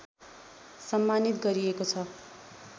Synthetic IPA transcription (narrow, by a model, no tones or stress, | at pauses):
sʌmːanit̪ɡʌɾiekot͡sʰʌ